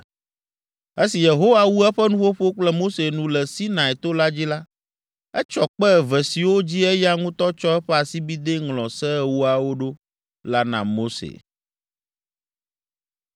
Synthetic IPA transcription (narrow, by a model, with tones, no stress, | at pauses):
e˦si˨je˨ɦo˦wa˨wu˦ɛ˦ɸɛ˦nũ˦wo˦ɸo˦k͡plɛ˦mo˦se˨nũ˨lɛ˨si˦nã˨ɛ˨t̪o˦la˦d͡ʑi˦la˦ | ɛ˦t͡ʃɔ˨k͡pɛ˦˨vɛ˨si˨wo˦d͡ʑi˦ɛ˦ja˦ŋũ˦t̪ɔ˦t͡ʃɔ˦ɛ˦ɸɛ˦a˨si˦bi˦d̪e˦ŋlɔ̃˨sɛ˦˨wu˦a˨wo˦ɖo˦ | la˦nã̰˨mo˦sḛ˨